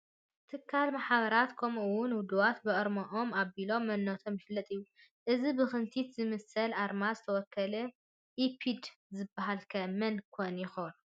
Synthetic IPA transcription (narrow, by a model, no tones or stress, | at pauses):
t̪ʰɨkʰːalmaħβɐɾat̪kʰɐmɨwʊnwʊd̪uwat̪bɨʔɨɾmoʔomaβilo̞mːɐnːot̪ʰo̞mjɪflːɐt̪ʼɨjːu | ʔɨzibɨxɨnt̪ʰit̪zɨmɐsɐlʔaɾmazɨt̪ʰɐwɔkːɐlɐ | ʔipʰid̪zɨbːaɦalkʰɐmɐnkʰonjɪxown